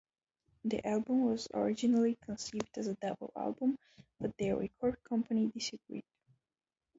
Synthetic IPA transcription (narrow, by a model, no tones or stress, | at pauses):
ðḭʔælˠbə̃mwʌzə̰ɹɪd͡ʒɨnl̩ˠikʰə̃nsivdɨzədʌbl̩ˠæ̰lˠbə̃m | b̥ʌt̪̚ðəɹɛ̰kʰɔɹd̚kʰʌ̃mpʰənidɪsɨɡɹḭd̥̚